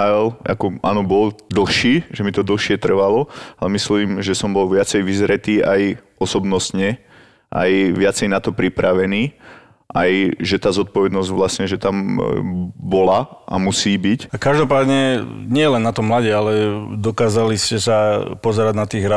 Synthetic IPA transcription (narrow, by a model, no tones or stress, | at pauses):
aɛlʔa̰kɔʔa̰ːnɔbɔld̪l̩ˠxʃiːʒɛmit̪ɔd̪l̩ˠxʃɪɛt̪r̩ʋalɔalɛmisliːmʒɛsɔmbɔlʋɪat͡sɛjʋizɾɛt̪iːajʔɔsɔbnɔst̪ɲɛ | ʔa̰jʋɪat͡sɛjnat̪ɔpɾipɾaʋɛniː | ʔajʒɛt̪aːzɔt̪̚pɔʋɛd̪nɔzɟʋlasɲɛʒɛt̪am | bɔlaʔa̰musiːbicakaʒd̪ɔpaːd̪ɲɛɲɪɛɛlɛnːat̪ɔmlaɟɛalɛd̪ɔkaːzaliscɛsapɔzɛɾaɟnat̪iːɣɦɾa